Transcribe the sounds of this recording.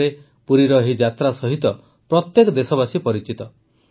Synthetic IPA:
ɾe | puɾiɾɔɦid͡ʒat̪ɾasɔɦit̪ɔ | pɾɔt̪jekɔd̪esɔbasipɔɾit͡ʃit̪ɔ

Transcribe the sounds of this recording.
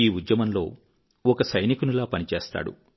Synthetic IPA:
iːud̪jɐmɐnlo̞̰ː | ɔkɐsɐjnikunulaːpɐnit͡ʃeːst̪a̰ːɽṵ

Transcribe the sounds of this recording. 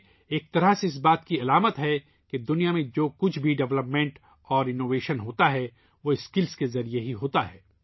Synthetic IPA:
eːk̚t̪ɐɾaseɪs̬baːt̪kiɐlaːmət̪ɦɛ | ked̪ʊnijamẽd͡ʒoːkʊt͡ʃʰbʱiɖɛʋləpmẽːɳʈ | ɔːɾɪnoːʋeːʃənɦoːt̪aɦɛ | ʋoɪskɪlskezɐɾieɦiɦoːt̪aɦɛː

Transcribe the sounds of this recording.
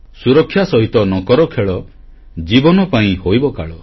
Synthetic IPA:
suɾɔkʰːjasɔɦit̪ɔnɔkɔɾɔkʰeɭɔ | d͡ʒibɔnɔpaĩhojbɔkaɭɔ

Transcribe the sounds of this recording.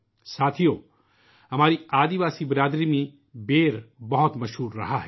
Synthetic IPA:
saːt̪ʰijo | ɦɐmaːɾiaːd̪iʋaːsibɾaːd̪ɾimẽ | beːɾbɐɦʊt̪mɐʃɦuːɾːɐ̰ɦaɦɛ

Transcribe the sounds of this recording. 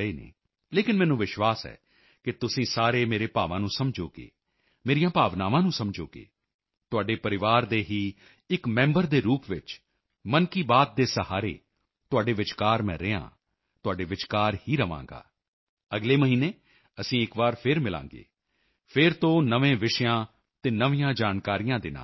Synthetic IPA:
eːnḛː | leːkɪnmɛːnũːʋɪʃʋaːsɛ̰ː | kɪt̪ʊsĩːsaːɾeːmeːɾeːpa̰ːʋãːnũːsəmd͡ʒoːkḛː | meːɾijãːpaːʋnaːʋãːnũːsəmd͡ʒo̰ːkḛː | t̪ʊaːɖeːpəɾɪʋaːɾd̪eːɦiː | ɪkmɛ̃ːmbəɾd̪eːɾuːpʋɪt͡ʃ | mənkiːbaːt̪̚d̪eːsəhaːɾḛː | t̪ʊaːɖeːʋɪt͡ʃkaːɾmɛ̰̃ːɾeːã̰ː | t̪ʊaːɖeːʋɪt͡ʃkaːɾhiːɾəʋã̰ːŋɡa̰ː | əɡleːməɦiːneː | əsĩːɪkʋaːɾpʰɪɾmɪlã̰ːŋɡḛː | pʰɪɾt̪õːnəʋẽːʋɪʃjãː | t̪eːnəʋĩjãːd͡ʒaːnkaːɾijãːd̪ɪna̰ː

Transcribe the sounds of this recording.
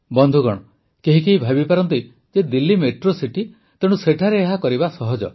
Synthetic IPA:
bɔnd̪ʱuɡɔɽ̃ɔ | keɦikeɦibʱabipaɾɔnt̪i | d͡ʒed̪ilːimeʈɾosiʈi | t̪eɽ̃useʈʰaɾeːɦakɔɾibasɔɦɔd͡ʒɔ̰

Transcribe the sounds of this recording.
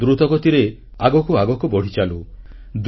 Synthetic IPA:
d̪ɾut̪ɔɡɔt̪iɾe | aɡɔkuaɡɔkubɔɽ̤it͡ʃalu | d̪

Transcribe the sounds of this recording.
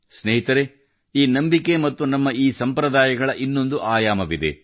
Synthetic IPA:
sneɦit̪ɐɾe | iːnɐmbike̞mɐt̪ːunɐmːɐiːsɐmpɾɐd̪aːjɐɡɐɭɐʔinːo̞nd̪uʔaːjaːmɐʋid̪ḛ

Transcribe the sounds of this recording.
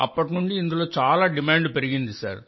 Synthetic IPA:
ɐ̰pːɐʈ̬nuɳɖiːnd̪uloːt͡ʃaːlaːɖɪmaːɳɖpɛɾɯɣind̪isa̰ːɾ

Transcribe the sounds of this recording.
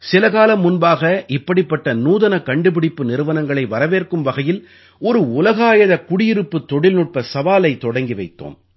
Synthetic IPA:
sɪlɐɣaːlɐmːʊnbaːɣɐʔɪpːɐɽɪpːɐʈːɐnuːðɐnɐkɐɳɖɯpɪɽɪpːɯnɪɾɯʋɐnɐŋɡɐɭɐɪʋɐɾɐʋeːrkɯmʋɐɣɐjɪl | ɔɾɯʊlɐɣaːjɐðɐkʊɽɪjɪɾɯpːɯt̪ːɔɽɪlnʊʈ̚pɐsɐʋaːlɐɪt̪ːɔɽɐŋɡiʋɐɪt̪ːo̰ːm

